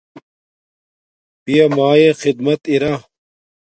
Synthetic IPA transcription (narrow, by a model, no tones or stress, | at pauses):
pijɐmaːjexid̪mɐt̪iɾa